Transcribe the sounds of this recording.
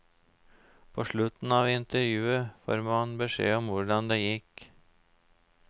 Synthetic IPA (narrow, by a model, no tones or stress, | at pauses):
pʰoːʂɭʉt̪n̩ɑʋɪnt̪əɾjʉːəfo̰ːɾmɑnbəʂḛːɔmʋʊɖɑnd̪ɛjɪkː